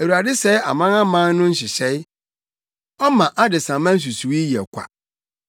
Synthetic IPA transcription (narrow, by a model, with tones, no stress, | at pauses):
æ˨wu˨ɾa˨dɪ˦sɛ˦a̰˨mã˦nã˦mã˦n˦nʊ̃˦n̩˦ɕɪ˨ɕɛ˦ɪ˦ | ɔ˦mã˨ʔa˦dɪ˨sã˨mã˦n̩˦s̬u˨su˨wi˦jɛ̰˨kʷʰa̰˨